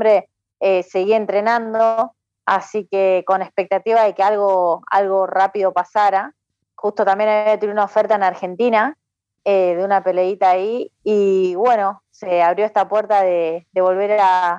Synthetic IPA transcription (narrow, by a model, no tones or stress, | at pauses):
bɾe̞ | ese̞ɣient̪ɾe̞nãnd̪o | a̰sikeko̞ne̞spe̞k̚t̪at̪iβaðe̞kealɣo̞a̰lɣo̞rapiðo̞pasaɾa | xust̪o̞t̪ambjenaβjat̪enunaofeɾt̪aenaɾxe̞nt̪ina | eðeunape̞le̞it̪aːiː | βwe̞no̞seaβɾjo̞eht̪apwe̞ɾt̪aðeðe̞β̞o̞lβe̞ɾaa